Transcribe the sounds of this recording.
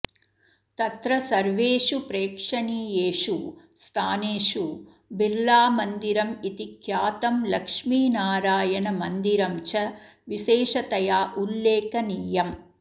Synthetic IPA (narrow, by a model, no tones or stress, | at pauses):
t̪ɐt̪ɾɐsɐɾʋeːʂupɾeːkʂɐnijeːʂu | st̪ʰaːneːʂu | biɾlaːmɐnd̪iɾɐmit̪ikʰjaːt̪ɐmlɐkʂmiːnaːɾaːjɐnɐmɐnd̪iɾɐmt͡ʃɐʋiʃeːʂɐt̪ɐjaːʔulːeːkɐniːjɐm